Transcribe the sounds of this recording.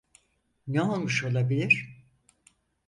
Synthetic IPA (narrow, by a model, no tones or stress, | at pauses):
nɛolˠmɯʃo̞lˠabilʲiɾ̥